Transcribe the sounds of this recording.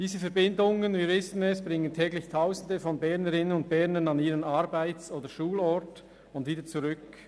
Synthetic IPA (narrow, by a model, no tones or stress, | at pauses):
d̥iːzəfɛɐbɪndʊŋənviːɾvɪsn̩ɛsb̥ʁɪŋəntʰɛːɡlɪçtʰaʊzn̩dəfɔnbɛʁnəʁɪnənʊnt̚b̥ɛɐnənɑniːʁənɑɾbaɪt͡soːdəʃuːlɔɹt | ʊndviːdət͡suʁʏk